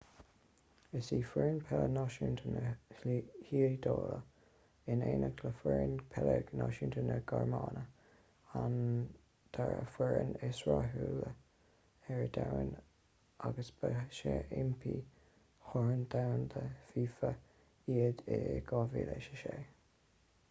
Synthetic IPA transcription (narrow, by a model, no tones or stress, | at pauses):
əsiːfɛɹnpʰɛlənɑʃunt̪ʰənəhhiːd̪oːlə | ɪneːnəɡʰləfwɛɹənpʰɛləɡnɑːʃiːnt̪ʰənəɡ̥aɹmɑːnə | an | d̪̥aɹəfwɛɹənɪswaɦuːlə | ɛɹəd̪awən | aɡəsb̥əʃeɪmpʰiː | hɔɹənd̪awnd̪əfiːfə | iːəd̪ɪɡɑːviːleʃə̥ʃeː